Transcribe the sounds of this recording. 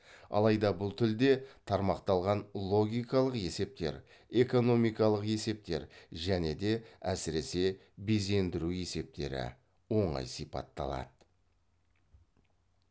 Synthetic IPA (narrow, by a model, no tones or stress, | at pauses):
ɑ̰lˠɑjd̪ɑbʊlˠt̪ʰʏld̪e̞t̪ʰɑɾmɑqt̪ɑlˠʁɑnlˠo̞ɡʲijkɑlˠəqje̞se̞p̚t̪e̞̰ɾ | e̞ko̞no̞mijkɑlˠəqe̞se̞p̚t̪e̞ɾʒæne̞d̪e̞æsɪɾe̞se̞ | beze̞nd̪ɪɾue̞se̞p̚t̪e̞̰ɾɪ̰ | wo̞ɴɑ̰jsipɑ̰t̪ːɑ̰lˠɑ̰d̪ə